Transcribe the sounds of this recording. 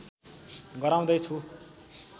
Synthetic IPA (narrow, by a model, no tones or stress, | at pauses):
ɡʌɾaw̃d̪ʌjt͡sʰu